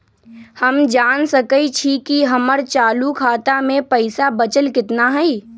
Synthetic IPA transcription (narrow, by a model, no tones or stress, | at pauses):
həmd͡ʒaːnsəkəit͡ʃʰikiɦɐməɾt͡ʃaːlukʰaːt̪amẽpəɪsabət͡ʃəlkɪt̪naɦɛi